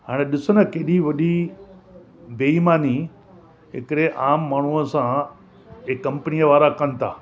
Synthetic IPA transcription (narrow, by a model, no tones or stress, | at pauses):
ɦa̰ːɽ̃eɗɪsʊnɐkeːɗiʋɐɗi | beːimaːni | ɦɪ̰kɪɗeʔaːmːaːɳ̤uəsã | ekːɐ̃mpənijəʋaːɾakɐnɪt̪ʰa̰ː